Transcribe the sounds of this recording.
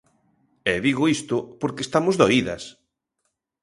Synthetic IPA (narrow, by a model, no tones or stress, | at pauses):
ɛðiɣoist̪ʊpoɾkest̪amozðoiðɐ̰s